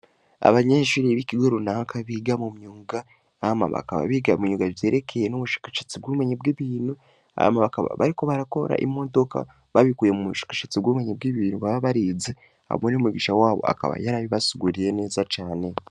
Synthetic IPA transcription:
a̰βaɲeːʃuɾiβiciɡoɾunakaβiɡamumɲuːŋɡa | ama̰βa̰ka̰βa̰βiɡamuɲuɡaje̞ːɾe̞kʰe̞jenoβuʃḁkaʃet͡sibɡuumeɲebɡiβiːnhu | a̰maβakaβa̰βa̰ɾiko̞βaɾako̞̰ɾa̰ʔimo̞do̞ka̰ | βaβikujemumuʃḁkḁʃet͡sibɡuumeɲeb̚ɡiβiːnhuβaβaβaɾiːze | a̰munomiɡiʃawaːβo̞̰a̰ka̰βa̰jaɾaβiβasiɡuɾiɾe̞ne̞ːzat͡ʃaːne̞

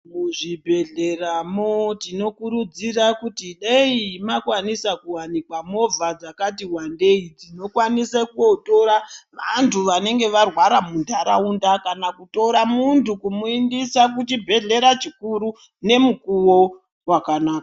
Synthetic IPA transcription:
muʐibʱe̞ɮe̞ramotino̞kuɾud͡zirakutiɗeimakwanisakuwanikwamo̞b͡vʱad͡zakatiɦwande̞id͡zino̞kwanisekuoto̞ɾaʋa̰ntʰuʋane̞ŋɡe̞ʋarwaɾamundʱaɾaundakanakuto̞ɾamuntukumuindisakut͡ʃibʱe̞ɮe̞ɾat͡ʃikuɾu | ne̞mukuwo | wakanaːka

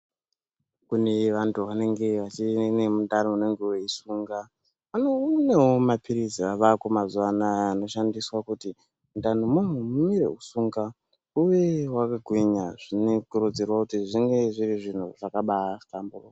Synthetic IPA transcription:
kune̞ʋantʰuʋane̞ŋɡe̞ʋat͡ʃinemudanoune̞ŋɡeuweisuːŋɡa | anonewomapiɾid͡ziaʋakumazuwanaːno̞ʃandiswakuti | mudanomun̤umumiɾe̞̰usuːŋɡa | uʋewakaɡʱwiɲaʐ̥inekurud͡zerwakutiʐiŋɡe̞ʐiriʐin̤uʐakaɓasi̥tamburo

